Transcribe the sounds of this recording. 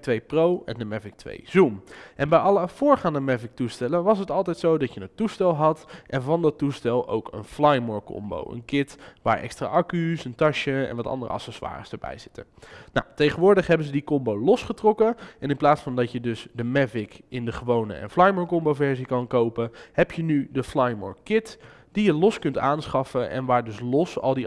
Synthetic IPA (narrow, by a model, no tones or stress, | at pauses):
tʋejprowɛ̰ndəmɛvɪk̚tʋḛjz̥umʔɛnbɛjɑləv̥ʊːɹχaːndəmɛvɪk̚tustɛlənʋɑs̬ɦətɑlˠtɛjtsowdɑcjənətustɛlˠɦɑtʔɛnvɑndɑtːustɛlˠʔo̰wkə̰nflɑjmɔɹkɔ̰mbo̰wə̰nkɪtʋa̰ːɹʔɛ̰kstra̰ːʔɑkysəntɑʃəɛ̰̃nʋɑtɑ̰ndərə̰ɑ̰sɛsʋa̰ːrəsdəɹbɛ̰jz̥ɪtə̰nnawtejχənʋʊːɹdəχɦɛbənzədikɔmbowlɔsχətrɔkəɛnɪnplaːtsfɑndɑcjədɵsdəmɛvɪkɪndəχəʋownə̰ʔɛ̰nflɑjmɔːɹkɔmbowvɛɹzikɑnkowpəhɛpjənydəflajmɔ̰ːɹkɪt | d̥ijəlɔskɵntaːnsχɑfəʔɛ̰nʋaːɹdɵslɔsɑ̰lˠdi